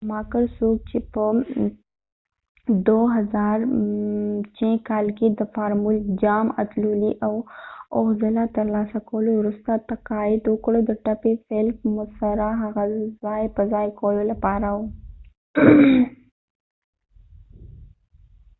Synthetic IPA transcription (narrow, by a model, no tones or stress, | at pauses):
mɑkəɾsok̚t͡ʃepə | d̪oɦazɑɾ | t͡ʃẽkɑlked̪əfɑɾmuld͡ʒɑma̰t̪loliʔawoɣzəlat̪əɾlɑsakawəlowɾust̪at̪aqɑɪd̪wəkɽod̪əʈapefelkmʊsaɾaɦaɣazɑjpəzɑjkawəlolapɑɾawu